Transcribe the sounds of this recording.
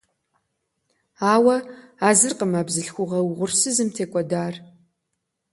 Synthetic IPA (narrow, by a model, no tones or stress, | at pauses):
aːwɐaːzɨrqəmaːbzɨɬxʷʊʁɐwʁʷʊrsɨzɨmtʰeːkʷʼɔdaːr